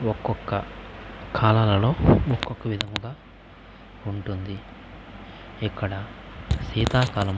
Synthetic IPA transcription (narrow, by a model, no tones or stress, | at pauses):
ɔkːɔkːɐ | kʰaːlaːlɐlo̞ːokːɔkːɐʋid̪ʱɐmuɡaː | uɳʈund̪i | ɛkːɐɽɐsiːt̪aːkaːlɐm